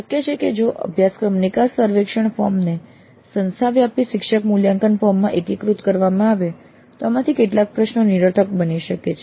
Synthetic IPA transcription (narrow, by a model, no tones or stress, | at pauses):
ʃəkjet͡ʃʰeked͡ʒoʔə̰bʱjaskɾəmnikasəɾʋekʃəɳfɔɾmne | sənst̪ʰaʋjapiʃɪkʃəkmuljaŋkənfɔɾmːãʔekikɾut̪kəɾʋamãaʋe | t̪oamãt̪ʰikeʈlak̚pɾəʃnoniɾət̪ʰəkbəniʃəket͡ʃʰe